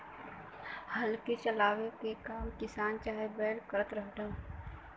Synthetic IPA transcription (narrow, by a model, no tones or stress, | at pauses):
həlket͡ʃəlaːwekekaːmkɪsaːnt͡ʃaːɦebeːɽkəɾət̪ɾəɦd̪a